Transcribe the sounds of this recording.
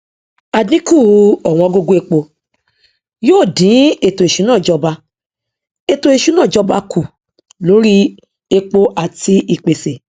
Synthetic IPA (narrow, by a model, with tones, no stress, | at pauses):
a˨dĩ˦ku˦˨˧ɔ˨w̃ɔ̃˧ɔ˧ɡo˧ɡo˧˦e˧k͡po˧ | joː˦˨dĩ˨˦e˨to˨e˨ʃu˨˦nãː˦˨d͡ʒɔ˧ba˧ | e˧to˧e˨ʃu˨˦nãː˦˨d͡ʒɔ˧ba˧ku˨ | lo˨˦ɾi˦ | e˧k͡po˧ʔa˨ti˧i˨k͡pe˨se˨